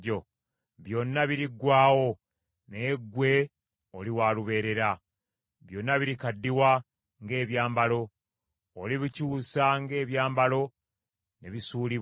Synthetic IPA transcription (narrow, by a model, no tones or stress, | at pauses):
o | βjo̞nːaβiɾiɡwaːwo̞ | neɡwe̞ | oliwaːluβe̞ːɾe̞ɾa | βjo̞nːaβiɾikadːiwa | ŋɡe̞ːβjaːmbalo̞ː | liβicuːsaŋɡe̞ːβjaːmbalo̞ | neβisuːliβ